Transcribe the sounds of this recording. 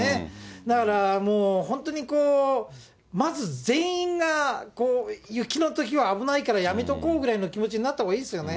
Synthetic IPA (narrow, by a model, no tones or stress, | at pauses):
ed̪akaɾamo̞ːhõ̞nt̪o̞ɲ̟ikoː | mazɨzẽ̞ɰ̃ĩŋɡakoːjɯ̟kʲino̞t̪o̞k̬ʲiβaːbɯ̟naikaɾajame̞t̪o̞ko̞ːɡɯ̟ɾaino̞kʲimo̞t͡ɕiɲ̟inat̪ːakiːesɨjo̞ne